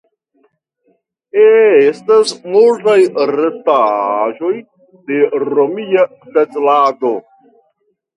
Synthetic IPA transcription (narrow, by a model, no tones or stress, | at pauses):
estasmultajɾetaʒo̞j | de̞ɾomia | tet͡slado̞